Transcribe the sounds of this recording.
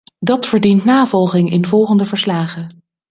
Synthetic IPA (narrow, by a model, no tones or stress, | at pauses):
dɑtfəɹdintnaːvɔlˠχɪŋɪnvɔlˠχəndəvəɹslaːχə